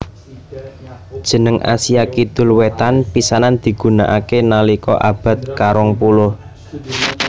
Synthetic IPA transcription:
d̥ʒ̥ə̤nəŋʔa̰sijakid̪̥ʊ̤lwet̪anpisanand̪̥i̤ɡ̥ṳnaʔakenalikɔ̰ʔab̥ä̤t̪̚kaɾɔŋpulʊh

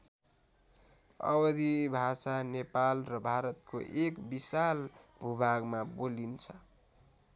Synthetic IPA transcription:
ʌ̰bʌd̪ibʱasanepalrʌbʱaɾʌt̪̚ko̰ʔekbisalbʱubʱaɡmabolint͡sʰʌ

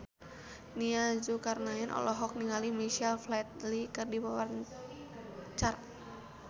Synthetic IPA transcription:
niad͡ʒukarnaɛnʔɔ̰lɔɦɔk̚niŋalimiʃialflat̪̚likɨrdibawa | t͡ʃar

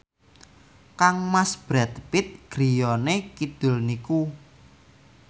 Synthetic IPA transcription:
kaŋmasb̥ɾɛt̪pɪt̪̚ɡ̥ɾijɔnekid̪̥ʊ̤lniku

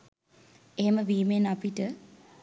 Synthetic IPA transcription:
eɦeməʋiːmenapiʈə

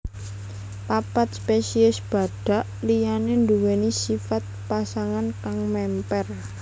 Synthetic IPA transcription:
papat̪̚spesiɛsb̥a̤ɖ̥a̤ʔlijanend̪uwenisifat̪̚pasaŋankaŋmɛmpɛr

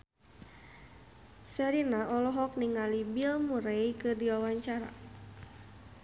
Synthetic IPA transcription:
səɾinaʔɔlɔɦɔk̚niŋalibilmuɾejkɨdiwawaɲt͡ʃaɾa̰

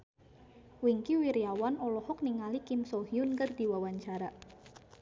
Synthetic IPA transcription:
wiŋkiwiɾiawanɔlɔhɔk̚niŋalikimsohiʊnkərd̪̥i̤wawaɲt͡ʃaɾa

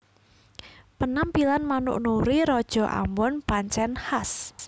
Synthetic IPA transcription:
pənampilanmanʊ̰ʔnuɾiɾɔd̥ʒ̥ɔ̤ʔa̰mɔnpaɲt͡ʃɛnhas

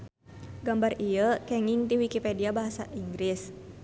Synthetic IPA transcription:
ɡambarijəkɛŋiŋt̪iwikipɛdiabaɦasaʔiŋɡɾis

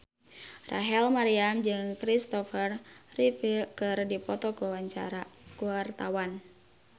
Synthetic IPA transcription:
rʔa̰ɦɛlmaɾiamd͡ʒɨŋkɾist̪ɔfərrifikɨrdipɔt̪ɔkuwaɲt͡ʃaakuwart̪awan

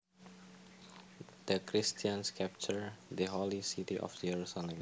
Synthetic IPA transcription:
d̪̥əkɾist̪iãnskʰɛp̚t͡ʃəɹd̪əɦɔlisit̪iʔɔ̰fd͡ʒɛɹusalɛ̃m

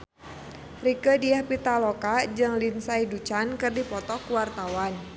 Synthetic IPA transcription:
rikədiahpit̪alɔkad͡ʒɨŋlinsaidut͡ʃankɨrdipɔt̪ɔkuwart̪awan

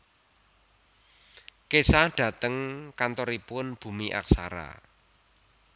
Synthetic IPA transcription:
kesahɖ̥ä̤t̪əŋkant̪ɔɾipʊnb̥ṳmiʔa̰ksa̰ɾa̰

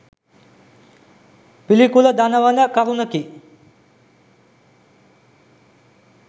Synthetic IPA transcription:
pilikulɐd̪anɐʋanɐkɐɾunɐki

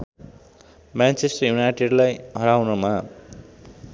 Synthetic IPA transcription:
mant͡sesʈʌrjunajʈeɖlajɦʌɾawnʌma

